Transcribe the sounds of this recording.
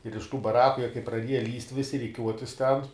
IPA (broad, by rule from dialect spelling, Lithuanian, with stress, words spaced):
ɪr ɪʃ tuː bɐˈrɑːkʊ jiɛ kɐɪ prɐˈdʲiɛjɛ lʲiːsʲtʲ ˈʋʲɪsʲɪ rʲɪˈkʲuɔtʲɪs tʲɛn